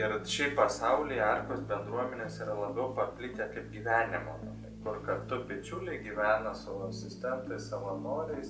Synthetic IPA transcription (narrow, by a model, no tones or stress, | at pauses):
ɪɾʃʲɛɪppɐsɐʊlʲɪɐrkosbʲɛnd̪ɾuɔmʲɛnʲeːsiːɾɐlˠɐbʲɛʊpɐpʲlʲiːt̪ʲɛkɐɪpɡʲiːʋʲæːnʲɪmo̰mɐnɐkʊrkɐt̪ʊbʲɪt͡ʃʲuːlʲɛɪɡʲiːʋʲæːnɐsɐʋoːɐsʲɪsʲt̪ʲɛnt̪ɐɪsɐʋɐnoːɾʲɛɪs